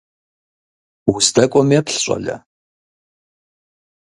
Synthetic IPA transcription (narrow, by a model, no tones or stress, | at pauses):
wʊstʰɐkʷʼɔmeːpɬɕʷʼɐ̰ɮɐ̰